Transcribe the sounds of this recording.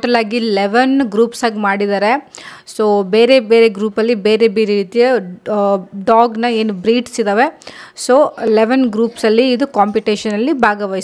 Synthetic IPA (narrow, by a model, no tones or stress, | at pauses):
ʈɐlaːɡileʋɐnɡɾuːpsaːɡimaːɽid̪aːɾe | soːbe̞ːɾebe̞ːɾeɡɾuːpɐlːibe̞ːɾebeːɾeɾiːt̪ijɐ | ɖaːɡnɐe̞ːnubɾiːɖsid̪aːʋe̞soːleʋɐnɡɾuːpsɐlːiːd̪ukaːmpiʈeːʃɐnɐlːibʱaːɡɐʋaːj